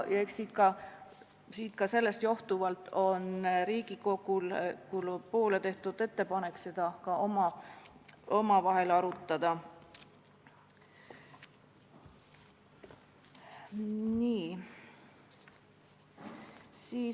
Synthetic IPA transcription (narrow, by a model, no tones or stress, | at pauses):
jɑeksiːt̪̚kɑ | siːt̪kɑse̞lːe̞st̪jo̞ht̪uvɑlt̪ˑʰo̞nɾiːɡ̥iko̞ɡulkulpo̞ːlet̪e̞ht̪ud̪̥e̞t̪ːe̞pɑne̞kse̞d̪̥ɑkɑomɑ | ʔomɑvɑɦe̞lɑɾut̪ˑːɑd̪̥ɑ | niː | siː